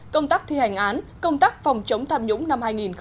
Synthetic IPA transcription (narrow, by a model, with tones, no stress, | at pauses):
kə˧wŋ͡mt̪aː˦˥k̚t̪ʰi˧ha˨˩jŋ̟ʔaː˨˦nkə˧wŋ͡mt̪aː˦˥k̚fa˨˩wŋ͡mt͡ɕə˨˦wŋ͡mt̪ʰaː˧mɲʊ̰˧˥ŋ͡mna˧mhaː˧jŋi˨˩nx